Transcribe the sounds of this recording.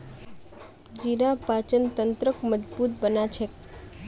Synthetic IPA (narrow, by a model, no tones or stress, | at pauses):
d͡ʒiɾapat͡ʃənt̪ənt̪ɾəkməd͡ʒbuːt̪̚bənat͡ʃʰek